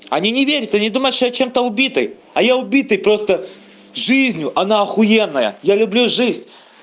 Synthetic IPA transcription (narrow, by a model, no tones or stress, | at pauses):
ɐ̰nʲinʲɪvʲeɾʲɪt̪anʲid̪uməj̪ʂt̪ojat͡ɕe̞mt̪əʊbʲit̪ɨj | ɐjaʊbʲit̪ɨjpɾo̞st̪ə | ʐɨzʲnʲʊʔɐnaɐxʊjenːəjə̰jalʲʊblʲuʐɨzʲ